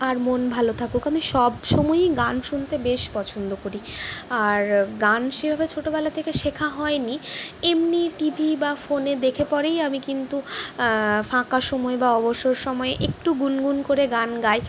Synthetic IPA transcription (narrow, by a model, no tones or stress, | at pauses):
aɾmonbʱalot̪ʰakukamiʃɔbʃɔmɔeɡanʃunt̪ebeʃpɔt͡ɕʰond̪okoɾiaɾɡanʃebʱabet͡ɕʰoʈobɛlat̪ʰekeʃekʰaɦɔeniemniʈibʱibafoned̪ekʰepɔɾejamikint̪u | fãkaʃɔmɔebaɔboʃoɾʃɔmɔeʔek̚ʈuɡunɡunkoɾeɡanɡae